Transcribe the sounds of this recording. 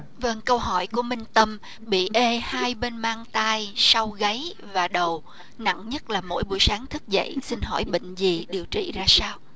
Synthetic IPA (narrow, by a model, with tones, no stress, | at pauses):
və˧ŋkə˧wɦɔ˧˩jku˧˩əmï˨˩ŋ̟t̪ə˧m | ɓḭ˧˨ʔe˧haː˧jɓe˧nmaː˧ŋt̪aː˧jsa˧wɣə˨˦j | vaː˨˩ɗə˨˩w | na̰˧˨ŋɲə˦˥t̚laː˨˩mo̰˧˥jɓṵ˧˩jsaː˨˦ŋt̪ʰɨ˦˥t̚zə̰˧˨jsi˧nɦɔ˧˩jɓḭ˧˨ŋ̟zi˨˩ɗi˨˩əwt͡ɕḭ˧˨zaː˧saː˧w